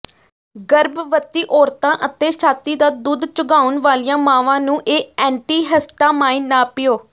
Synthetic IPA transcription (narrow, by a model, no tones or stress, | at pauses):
ɡəɾbʋət̪iːʔɔːɾt̪ãːʔət̪eːʃʰaːt̪iːd̪aːd̪uːd̪t͡ʃʊɡaːʊnʋaːlijãːmãːʋãːnũːʔeːɛ̃ːɳʈiːɦəsʈ̪aːmaːiːnaːpɪjoː